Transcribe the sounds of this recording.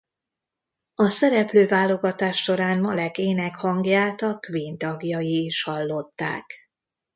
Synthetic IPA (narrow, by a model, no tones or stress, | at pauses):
ɒsɛɾɛpløːvaːlːo̞ɡɒt̪aːʃːo̞ɾaːnmɒlɛkeːnɛkhɒŋɡjaːlt̪ɒkʋiːnt̪ɒɡjɒjiːʃhɒlːo̞t̪ːa̰ːk